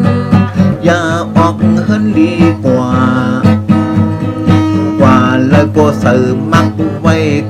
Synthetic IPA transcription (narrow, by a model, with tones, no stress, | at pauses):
jaː˧˩ʔɔː˨˩k̚hɤ˧˥˨ndiː˧˦kwaː˨˧˩ | waː˧˩laː˧˩bɔː˧˩saː˨˩mːa˧k̚u˧ŋwa˧˩j